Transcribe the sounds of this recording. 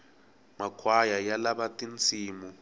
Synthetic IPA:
makʰwajajalaβatint͡sʰiːmu

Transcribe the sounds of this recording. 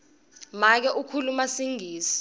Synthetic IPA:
mak̬ɛʔukʰulumasiŋʱiːsi̥

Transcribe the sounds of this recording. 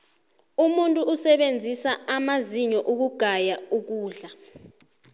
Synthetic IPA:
umuntʼuːsɛɓend͡zʱisaamaziɲɔʔuk̬uɡ̥ʱajauk̬uːɮa

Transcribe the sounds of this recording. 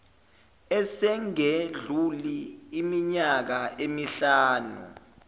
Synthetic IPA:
ɛsɛŋeɮuliːmiɲak̬aemiɬaːnṵ

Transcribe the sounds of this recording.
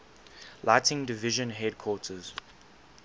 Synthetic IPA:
laɪtʰɪ̃ŋdɪvɪʒə̃nɦɛd̚kʰwɔˑtʰəz̥

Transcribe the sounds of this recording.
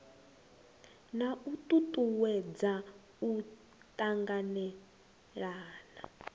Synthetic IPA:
nautʼutʼuwɛd͡za | u | tʼaŋɡanɛ | ɺaːna̰

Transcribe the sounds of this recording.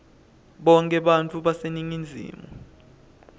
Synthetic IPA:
ɓɔŋkʼɛɓant͡fʰʼuɓaseniŋind͡zʱḭːmɔ

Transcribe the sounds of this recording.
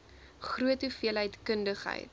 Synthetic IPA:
χruətufiəlɦəjtkəndəχɦə̰jt

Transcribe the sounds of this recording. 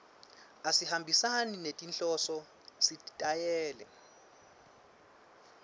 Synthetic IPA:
asihambʱisaninetʼint͡ɬʼɔsɔ | sitʼajɛːlɛ̰

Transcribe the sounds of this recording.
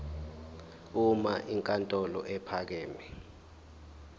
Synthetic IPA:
umaʔiŋkʼantʼɔlɔ̰ʔɛpʰak̬ɛːmɛ

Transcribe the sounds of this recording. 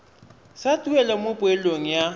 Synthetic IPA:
satʼuɛlamopʼweloŋ̩ja

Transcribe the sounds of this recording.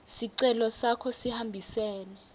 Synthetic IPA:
siǀɛlɔsakʰɔsihambʱisɛːlɛ

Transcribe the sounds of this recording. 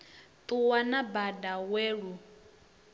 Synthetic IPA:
t̪ʼuwanabadaweːɺu

